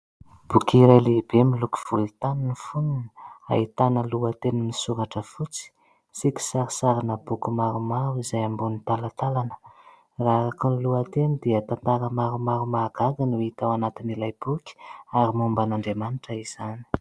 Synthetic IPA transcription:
b̥ukiɾajleb̥emiluku̥v̥ult̪aninifununa̰it̪anəluat̪enimisuɾaʈ͡ʂəfut͡si̥ | siki̥saɾisaɾinəb̥ukumaɾumaɾuizajambunit̪alat̪alanə̥ | raɾakuniluat̪enid̪iət̪ant̪aɾəmaɾumaɾumaɡ̥aɡanuit̪awanat̪inilajb̥ukʲi̥aɾimumbanaɳɖ͡ʐemanʈ͡ʂaiz̥ani̥

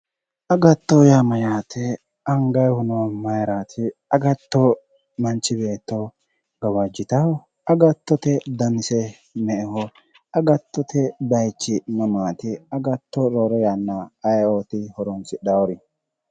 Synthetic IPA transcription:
ʔɐɡɐt̪ːɔjamɐjaːt̪ʰɛ | ɐŋɡɐjhʊnɔwɐmɐjɾaːt̪ʰɪɐɡɐt̪ːɔ | mɐnt͡ʃːɪbe̞ːt̪ːɔ | ɡɐwɐd͡ʒːɪt̪ɐ | ɐɡɐt̪ːɔt̪ɛd̪ɐmɪsɛ | mɛʔɛhɔ | ɐɡɐt̪ːɔt̪ʰɛbɐjt͡ʃːɪmɐmaːt̪ɪɐɡɐt̪ːɔɾɔːɾɛjanːaːjoːt̪ɪhɔɾɔnsɪɗɐɔɾɪ

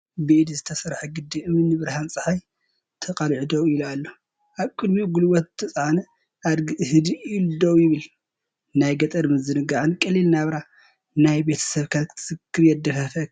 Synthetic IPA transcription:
bɨʔd̪izɨt̪ʰɐsɐɾħɐɡɨd̪ːiɨmɨnɨβɨɾɦant͡sʼɨħaj | t̪ʰɐqʼɐlʕd̪owilualːo | ʔaβkʼɨd̪miɡulwɔt̪zɨt̪ʰɐsʼʕanɐ | ʔad̪ɡɨhɨd̪iilud̪owjɪβɨl | najɡɐt̪ʼɐɾmɨzɨnɨɡaʕɨnkʼɐlːilnaβɾa | najbe̞t̪ʰɐ̥sɐβkʰaɨ̥sɨkʰːɨɾjɛd̪ɐfɐfɐ

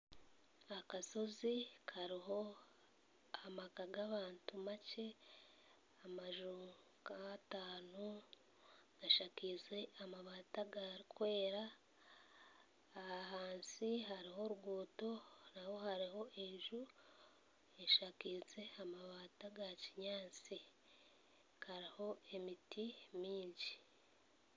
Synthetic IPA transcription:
akaso̞zikʰaɾiɦo̞ | amakaɡaβaːntumace | amaʒu | kataːnu | ɡaʃakize̞amaβaːtaɡaɾikwe̞ːɾa | haɦaːnsiɦaɾiɦo̞ɾuɡuːto̞nawo̞haɾiɦo̞ʔeʒu | eʃakize̞amaβaːtaɡaciɲaːt͡si | kʰaɾiho̞e̞mitimiːɲɟi

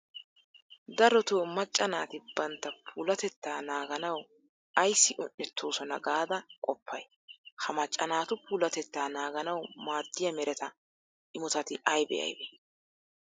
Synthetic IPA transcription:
d̪ɐɾɔt̪oːmɐt͡ʃʼːɐnaːt̪ɪbɐnt̪ːɐpʰuːlɐt̪ɛt̪ːaːnaːɡɐnɐw | ɐjsːɪʔʊnːɛt̪ʰːoːsɔnɐ̰ɡaːd̪ɐkʼɔpʰːɐj | hɐmɐt͡ʃʼːɐnaːt̪ʊpuːlɐt̪ɛt̪ːaːnaːɡɐnɐwmaːd̪ːɪjɐmɛɾɛt̪ɐ | ʔɪmʊt̪ɐt̪ɪɐjbɛ̰ʔɐ̰jbɛ

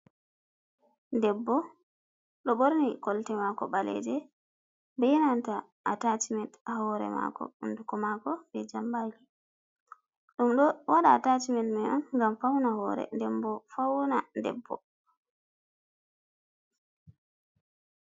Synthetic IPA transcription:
ndɛbːɔ | ɗɔɓoɾnikɔltɛmakɔɓalɛ̰d͡ʒɛ | bɛjɛnanta | atatimɛtaɦɔɾɛ̰ma̰kɔ̰undukɔmakɔbɛd͡ʒambali | ɗumɗɔwaɗaːtatimɛtmɛʔɔnŋɡamfawnahɔːɾɛ̰ndɛmbɔfawnandɛ̰bːɔ̰

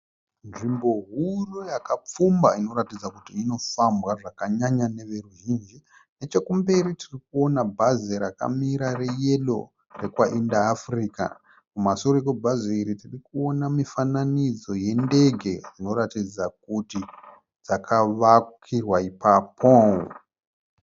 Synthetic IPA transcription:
nʐimbo̞ɦurojakap͡fumbaino̞ɾatid͡zakutiːno̞fambwaʐakaɲaɲane̞ʋe̞ruʒiːnd͡ʒi | ne̞t͡ʃe̞kumbe̞ɾitirikuo̞nabʱazeɾaka̰miɾare̞je̞lo̞̰ | re̞kwaʔindaːfriːka̰ | kumasoɾokobʱazoiɾitirikuo̞namifananid͡zo̞je̞nde̞ɡʱe̞rino̞ratid͡zak̚uti | d͡zakʰaʋakirwaipapʰo

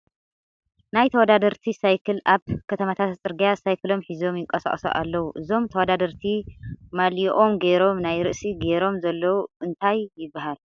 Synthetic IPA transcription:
najt̪ʰɐwɔd̪ad̪ɐɾt̪ʰisajkʰɨlʔaβkʰɐt̪ʰɐmat̪ʰat̪t͡sʼɨɾɡijasajkʰɨlo̞mħizo̞mjɪŋkʼɐsa̰χʼso̰ʔa̰lːɐwuʔɨzo̞mt̪ʰɐwɔd̪ad̪ɐɾt̪ʰimaliʔo̞mɡeɾo̞mnajɾɨʔsiɡeɾo̞mzɐlːɐwuʔɨnt̪ʰajːɪbːaɦal

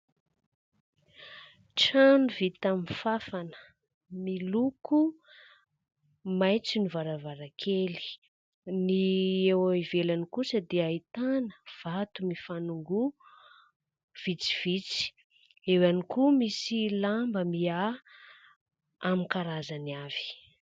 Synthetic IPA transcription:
ʈ͡ʂanuvit̪aminfafanə̥ | miluku | majt͡sinivaɾavaɾakʰeli̥ | niewaivelanikusəd̪eait̪anəv̥at̪umifanuŋɡu | v̥it͡si̥v̥it͡si̥ | ewanikumisilambəmia | amikaɾazaniav̥i̥

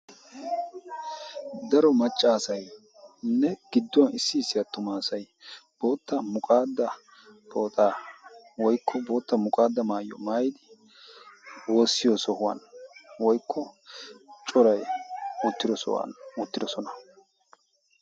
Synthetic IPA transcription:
d̪ɐɾɔmɐt͡ʃʼːaːsɐj | nːɛɡ̥ɪd̪ːʊwɐnɪsːɪːsːɪjɐt̪ːʊmaːsɐj | b̥o̞ːt̪ːɐmʊkʼaːd̪ːɐ | bʰo̞ːt̪ʼaː | wɔjkʰːɔbo̞ːt̪ːɐmʊkʼaːd̪ːɐmaːjːɔ̰maːjɪd̪ɪ | wo̞ːsːɪjoːsɔhʊwa̰nwɔjkʰːɔ | t͡ʃʼɔɾɐjʊt̪ːɪd̪ɔsɔ̰wɐ̰nʊt̪ːɪd̪ɔsɔnɐ

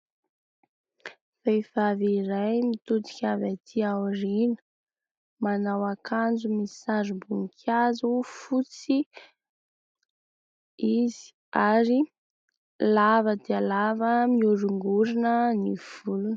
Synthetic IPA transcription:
fejfaviɾajmit̪ut̪i̥kʲavat̪ʰiawrinə̥ | manawakʰand͡zumisaɾibuŋkʰazufut͡si | izi̥ | aɾi | lavəd̪ealavəmiuɾuŋɡuɾinəniv̥ulunə

